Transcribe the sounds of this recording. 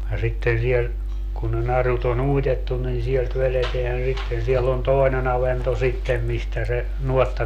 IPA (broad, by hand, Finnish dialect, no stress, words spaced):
jɑ sitːen siel kun ne nɑrut on uitetːun nin sielt ʋeleteæn sitːen siɛlː on toˑi̯nen ɑʋento sitːem mistæ se nuotːɑ